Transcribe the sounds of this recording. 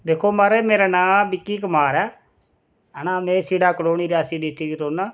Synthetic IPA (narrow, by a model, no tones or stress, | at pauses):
d̪eːkʰːoːmaːɾeːmeːɾaːnãːbɪkːiːkəmaːɾɛː | ənãːmẽːsiːɽaːkloːɳiːɾaːsiːd̪ɪt̪ːiːɡiːɾoːnaː